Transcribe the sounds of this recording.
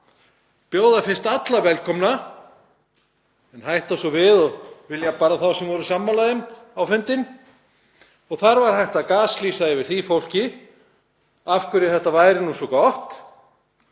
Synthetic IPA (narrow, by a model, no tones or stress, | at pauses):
pjoːwðafɪnst̪at̪lavɛlkʰɔmna | ɛnhajht̪asɔvɪðɔɣvɪljapaːɾaθawsɛmvɔɾʏsamːalajðɪmawfʏnt̪ɪn | ɔɣθaɾvaɾ̥hajht̪akaːslisaɛvɪɾ̥θifowl̥cɪ | afkʏɾɪθɛht̪avaːjɾɪnusɔkɔht̪